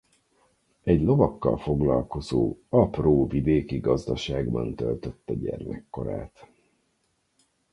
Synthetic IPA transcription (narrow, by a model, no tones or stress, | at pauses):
ɛɟlo̞vɒkːɒ̰lfo̞ɡlɒlko̞zoːɒproːvid̪eːkiɡɒzd̪ɒʃaːɡbɒnt̪ølt̪øt̪ːɛɟɛrmɛkːo̞ɾaːt̪